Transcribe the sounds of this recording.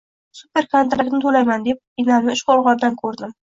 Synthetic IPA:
supe̞ɾkʰant̪ɾakʲnɪt̪ʰolajmand̪e̞p̚ɪnalmɪɪʃqʰoɾʁɒbd̪ankʰɵɾd̪ɪm

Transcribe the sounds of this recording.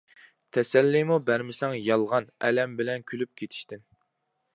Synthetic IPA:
t̪ʰɛsɛlːimubæɾmɪsɛŋjɑlˠʁɑnɛlɛmbɪlɛnkʲʰylyp̚kʲʰet̪ʰi̥ʃt̪ɪn

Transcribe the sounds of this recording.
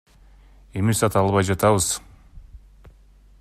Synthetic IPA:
emisɑt̪ɑlˠβɑjd͡ʒɑt̪ɑβɯz̥

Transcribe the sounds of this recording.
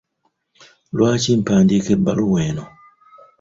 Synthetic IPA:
lwaːcim̩paːndikebːaluweːno

